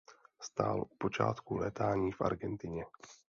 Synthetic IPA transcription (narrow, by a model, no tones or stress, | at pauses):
st̪a̰ːlʔupo̞t͡ʃa̰ːt̪kulɛːt̪aːɲiːfʔa̰ɾɡɛnt̪ɪɲɛ